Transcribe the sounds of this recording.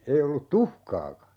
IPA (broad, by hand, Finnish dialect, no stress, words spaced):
ei olːut tuhkɑːkɑ